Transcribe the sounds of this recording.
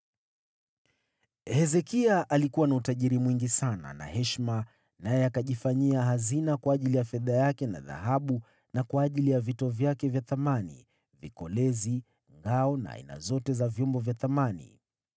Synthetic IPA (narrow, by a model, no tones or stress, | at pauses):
hɛzɛkiaʔalikuwanautaʄiɾimwiŋɡisana̰na̰hɛʃma | najɛakaʄifaɲiaɦazinakwaːʄilijafɛðajakɛna̰ða̰ɦaɓu | nakwaːʄilijavitɔvjakɛvjaθamanḭ | vikɔlɛzi | ŋɡaɔna̰a̰ḭna̰zɔtɛzavjɔmbɔvjaθamanḭ